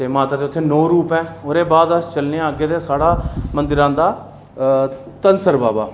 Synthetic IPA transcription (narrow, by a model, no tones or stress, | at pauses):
t̪eːmaːt̪aːd̪eːʊt̪ʰːeːnoːɾuːpɛ̃ːoɾeːbaːd̪əst͡ʃəlneãaːɡeːd̪eːsaːɽaːmənd̪ɪɾãːd̪aː | t̪ənsəɾbaːba̰ː